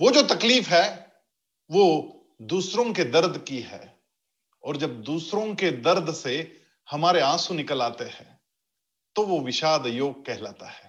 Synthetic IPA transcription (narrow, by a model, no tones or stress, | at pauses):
ʋod͡ʒoːt̪ɐkliːfɦɛː | ʋo | d̪uːsɾõked̪ɐɾd̪ʱkiɦɛ̰ː | ɔːɾd͡ʒɐb̚d̪uːsɾõked̪ɐɾd̪ʱse | hɐmaːɾeãːsũnɪkəlaːt̪eɦɛ̰̃ː | t̪oʋoʋɪʃaːd̪joːɡ̚kɛɦlaːt̪ahɛː